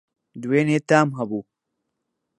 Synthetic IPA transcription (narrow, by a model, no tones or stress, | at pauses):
d̪weːnet̪aːmɦɐbuː